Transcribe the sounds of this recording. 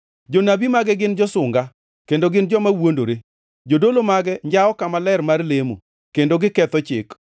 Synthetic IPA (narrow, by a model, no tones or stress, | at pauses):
d͡ʒonabimaɡɛɡɪnd͡ʒɔsʊŋɡa | kendoɡɪnd͡ʒɔmawondoɾe | d͡ʒodolomaɡɛɲd͡ʒaɔkamalɛrmarlemo̰ | kendoɡɪkɛt̪ɔt͡ʃɪ̰k